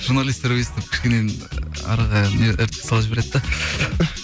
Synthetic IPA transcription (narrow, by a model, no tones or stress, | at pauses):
ʒ̥uɾnalʲist̪eɾweset̪ɪp̚kʲʰɪ̥ʃkʲenenɑ̰ɾʁɑneɪɾt̪ɪ̥sɑlˠɑs̬beɾed̪d̪ɑ